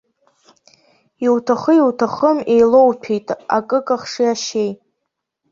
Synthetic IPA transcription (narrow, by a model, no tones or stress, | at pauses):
iwtʰaχəiwtʰaχəme̞jlo̞wpʰijtʼa̰kʼɨkʼaχʂiaʃej